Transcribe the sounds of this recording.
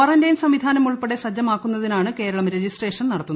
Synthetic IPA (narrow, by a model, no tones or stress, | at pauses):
ɐrɐndɐjnsɐmʋid̪ʱaːnɐmuɭpeɽesɐd͡ʑɐmaːkːunːɐðinaːɳɨke̞ːɾɐɭɐmɾed͡ʑisʈreːʂɐnnɐɽɐt̪ːunː